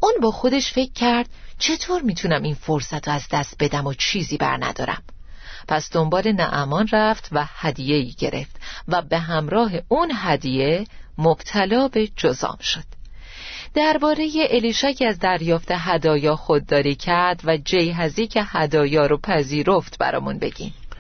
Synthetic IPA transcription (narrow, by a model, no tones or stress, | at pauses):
ʔuːnbɒːxo̞d̪e̞ʃfe̞cʰːæɾd̪̥t͡ʃʰe̞t̪ʰoɾmiːt̪ʰunæminfo̞ɾsæt̪ʰɾoæzd̪æst̪̚be̞d̪æmot͡ʃʰiːziːbæ̰ɾnæ̰d̪̥ɒ̰ːɾæ̰m | pʰæsd̪̥o̞mbɒːlenæʔæmɒːnræft̪ʰvæhæd̪ije̞iːɟe̞̰ɾʔe̞̰ft̪væbe̞ɦæmɾɒːɦe̞ʔunɦæd̪ije̞mob̥t̪ʰælɒːbe̞d͡ʒozɒ̰ːmʃo̞d̪̥ | d̪̥æɾbɒːɾe̞je̞ʔeliːʃæcʰiæzd̪æɾjɒːft̪ʰe̞ɦæd̪ɒːjɒːxod̪̚ːɒːɾiːcʰæɾd̪væd͡ʒe̞jɦæziːcʰe̞hæd̪ɒːjɒːɾopʰæziːɾo̞ft̪bæ̰ɾɒ̰ːmunbe̞̰ɟ̥ḭm